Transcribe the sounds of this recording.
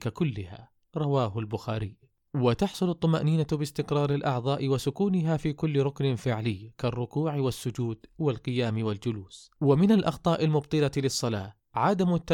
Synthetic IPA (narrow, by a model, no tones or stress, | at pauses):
kakʊlːɪha̰ | ɾˤɑwaːɦʊlbʊxaːɾiː | wɪt̪ɑħsˤʊlʊt̪ˤːʊmaʔniːnabɪst̪ɪqɾɑːɾɪlʔɑʕðˤɑːʔɪwasʊkuːnɪɦafiːkʊlːɾˤʊknɪfɪʕlɪjːkarˤːʊkuːʕɪwɪsːʊd͡ʒuːd̪wɪlqɨjaːmɪwɪld͡ʒʊluːswamɪnalʔɑxt̪ˤɑːʔɪlmʊbt̪ˤɨlalɪsˤːɑlaː | ʕad̪amʊt̪ːa